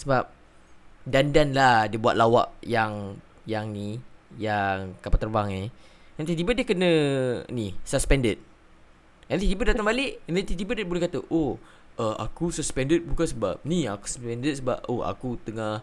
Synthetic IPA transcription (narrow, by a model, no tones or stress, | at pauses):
səbap̚ | dandanladiəbua̰t̪̚lawa̰ʔjaŋ | jaŋnijaŋkapat̪ərbaŋent̪it̪̬ibadiəkənə̃nisəspɛndət̪̚ | ɛnt̪it̪̬ibədat̪aŋbalɪʔɛndɛnt̪it̪ibədəbolɛhkat̪əʔo | ʔəa̰kusəspɛndət̪̚bukansəba̰p̚niaku̥səspɛndət̚səbap̚oa̰kut̪əŋah